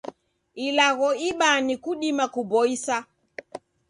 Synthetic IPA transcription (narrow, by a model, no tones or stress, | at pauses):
ilaɣɔiɓanikuɗimakubɔisa